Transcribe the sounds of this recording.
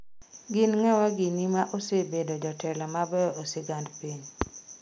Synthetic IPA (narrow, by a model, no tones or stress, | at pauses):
ɡɪnŋɛwaɡɪnimaʔosebedod͡ʒɔtʰɛlɔmabɛoseɡandpiɲ